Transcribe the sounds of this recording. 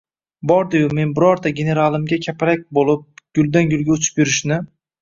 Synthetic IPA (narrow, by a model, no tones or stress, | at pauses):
bɒɾd̪ɪjʊme̞nbɪɾɒɾd̪aɡʲe̞ne̞ɾalˠɪmɡʲakʲʰapʰɾak̚ʲbolˠɪp̚ɡ̥ʲʊlˠd̪anɡʲʊlˠɡʲaʊt͡ʃʰɪ̥pjʊɾɪʃnɪ